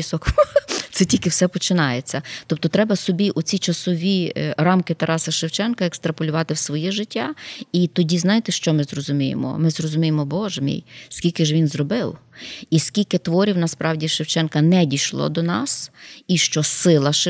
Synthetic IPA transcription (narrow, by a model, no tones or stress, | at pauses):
sɔkt̪sɛtʲilʲkɪwsɛpɔt͡ʃɪnɑjet͡sʲːɐt̪ɔp̚t̪ɔt̪ɾɛbɐsɔbʲiʔʊt͡sʲit͡ʃɐsɔʋʲiɾɑmkɪt̪ɐɾʔɑsɐʃɪwt͡ʃɛnkɐekst̪ɾɐpɔlʲʊʋɑt̪ɪwsʋɔjɛʒɪtʲːait̪ɔdʲiznɑjet̪ɪʃt͡ʃɔmɪzrɔzʊmʲijḛmɔ̰mɪzrɔzʊmʲijemɔbɔʒmʲḭjskʲilʲkɪʒʋʲinzrɔbɪwiskʲilʲkɪt̪ʋɔɾʲiwnɐspɾɑwdʲiʃɪwt͡ʃɛnkɐnɛdʲijʃlˠɔ̰d̪ɔnɑsiʃt͡ʃɔsɪlˠɐʃ